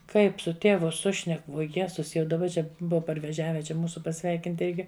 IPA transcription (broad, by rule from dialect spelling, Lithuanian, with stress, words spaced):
ˈkɐɪp sʊ ˈtʲeːʋʊ ˈsʊʃʲnʲɛk ʋuɔ ˈjæːzʊs jɛʊ dɐˈbɐ ˈt͡ʃʲɛ ˈbʊʋɐ pɐrʲʋʲɛˈʒʲæːʋʲɛ ˈt͡ʃʲɛ ˈmuːsʊ pɐˈsʲʋʲɛɪkʲɪnt ˈɪrʲɡʲɪ